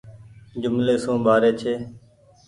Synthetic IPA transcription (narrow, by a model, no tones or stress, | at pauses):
d͡ʒʊmleːsũːɓaːɾeːt͡ʃʰeː